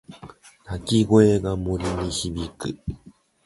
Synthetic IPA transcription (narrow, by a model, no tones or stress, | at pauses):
t̪akʲiɡoeɡamoɾʲinĩɕibikɯ